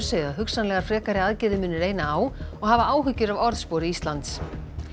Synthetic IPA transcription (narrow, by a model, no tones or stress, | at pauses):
ɾ̥seːɣðaðɦʏksanlɛɣaɾ̥fɾɛːkaɾɪaðcɪðɪmʏːnːʏɾeːjnaaːwɔɣɦavaaːwɦʏcːʏɾavɔɾðspoːwɾɪist̪lant̪s